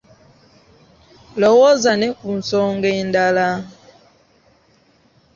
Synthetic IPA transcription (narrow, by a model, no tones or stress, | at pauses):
lɔwɔzanɛkun̩sɔŋɡɛndala